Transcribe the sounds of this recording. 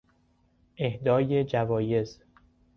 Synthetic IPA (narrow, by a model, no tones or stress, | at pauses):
ʔehd̪ɒːje̞d͡ʒævɒːje̞z